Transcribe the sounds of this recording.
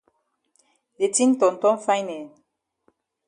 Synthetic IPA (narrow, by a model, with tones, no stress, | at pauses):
de˨ti˦n̩˦tɔ˨n̩˨tɔ˦fa˦jnɛ˨n